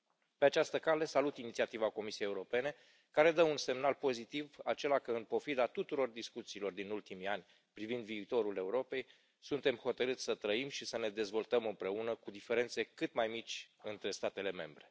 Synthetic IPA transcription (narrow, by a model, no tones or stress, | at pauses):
pe̞at͡ʃast̪əkale̞salut̪init̪siat̪ivako̞misiejeuɾo̞pe̞ne̞ | kaɾe̞d̪əunse̞mnalpo̞zit̪ivat͡ʃe̞lakəɨnpo̞fid̪at̪ut̪uɾo̞rd̪iskut̪siːlo̞rd̪inult̪imianʲ | pɾivind̪viːt̪o̞ɾule̞uɾo̞pe̞j | sunt̪e̞mxo̞t̪əɾɨt̪sʲsət̪ɾəimʃisəne̞d̪e̞zvo̞lt̪əmɨmpɾe̞unəkud̪ife̞ɾe̞nt̪se̞kɨt̪majmit͡ʃʲɨnt̪ɾe̞st̪at̪e̞le̞me̞̰mbɾe̞